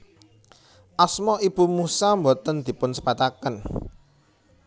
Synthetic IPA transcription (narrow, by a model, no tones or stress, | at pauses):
ʔasmɔʔib̥ṳmusambot̪ənd̪̥i̤pʊnsə̥pat̪akən